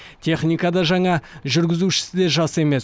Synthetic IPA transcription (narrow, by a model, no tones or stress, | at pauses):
t̪ʰe̞χnijkɑd̪ɑʒɑɴɑʒʏɾɡʲɪzuʃɪ̥sɪd̪e̞ʒɑsəe̞me̞s